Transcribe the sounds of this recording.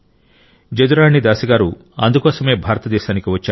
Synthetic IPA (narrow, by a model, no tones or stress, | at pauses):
d͡ʒɐd̪uɾaːɳːid̪aːsiɡaːɾu | ɐnd̪ukɔːsɐme̞ːbʱaːɾɐt̪ɐd̪ɛːʃaːnikiʋɐt͡ʃːaː